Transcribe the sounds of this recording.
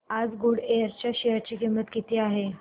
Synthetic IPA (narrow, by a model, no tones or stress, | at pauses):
ad͡zɡuɽejəɾt͡ɕjaɕeɦəɾt͡ɕiːkimət̪kit̪iːaɦe